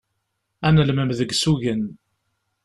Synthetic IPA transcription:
ænəlməmðəɡsuʝən

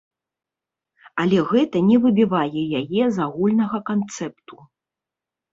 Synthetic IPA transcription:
alʲɛɣɛt̪ɐnʲɛvɨbʲivajɛjajɛzaɣulʲnɐɣɐkant̪sɛpt̪u̥

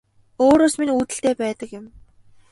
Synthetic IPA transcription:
oːɾoːsminuːt̪ɘ̆ɬt̪eːpæːt̪ə̆kjɪ̆m

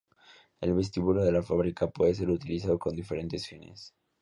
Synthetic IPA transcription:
e̞lβe̞s̬t̪iβuloðe̞lafaβɾikapwe̞ðe̞s̬e̞ɾut̪ilisaðoko̞nd̪ife̞ɾe̞nt̪e̞sfinḛs

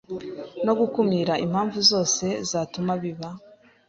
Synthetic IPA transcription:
no̞ɡukumiːɾaʔim̥haːɱvuzo̞ːse̞zaːtumaβiβa

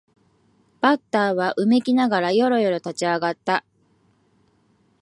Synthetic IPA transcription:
b̥at̪ːaːβaʔɯ̟me̞kʲinaɡaɾajo̞ɾo̞jo̞ɾo̞t̪at͡ɕiaɡat̪ːa

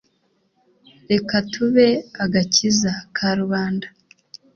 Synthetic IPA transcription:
ɾe̞katʰuβe̞aɡacizakʰaɾuβaːnda

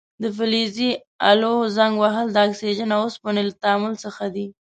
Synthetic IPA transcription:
d̪əfɪlizi | a̰lozaŋɡwaɦəld̪əakseʒənaosponelat̪aːmʊlsəxad̪i

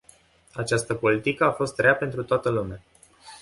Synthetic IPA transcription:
at͡ʃast̪əpo̞lit̪ikəafo̞st̪ɾeape̞nt̪ɾut̪oat̪əlumea

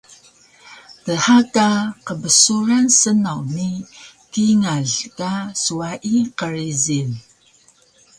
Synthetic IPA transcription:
təħakaqəbəsuɾansənawnikiŋaɮkasuaʔiqəɾizin

